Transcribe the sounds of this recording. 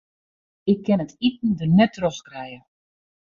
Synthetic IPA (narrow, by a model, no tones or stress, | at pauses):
ɪkʰːɪnətitn̩dənɛtʰːrɔskrɛjə